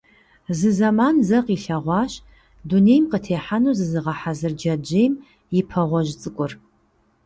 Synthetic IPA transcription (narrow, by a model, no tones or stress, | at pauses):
zɨzɐmaːnzɐqiɬɐʁʷɑːʃ | duneːjmqətʰeːħanuzɨzɨʁɐħazɨrd͡ʒɐd͡ʒejm | jɪpʰɐʁʷɔʒt͡sʼɨkʷʼʊr